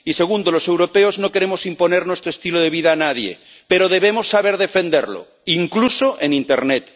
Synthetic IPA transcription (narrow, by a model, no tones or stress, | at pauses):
ise̞ɣ̞und̪olo̞se̞wɾopeozno̞ke̞ɾemosimpo̞neɾnwest̪ɾoest̪iloð̞e̞β̞iðaːnað̞jḛ | peɾoð̞eβ̞emo̞sːaβe̞ɾðe̞fe̞nd̪eɾlo̰ | iŋklusoʔenint̪ḛɾnet̪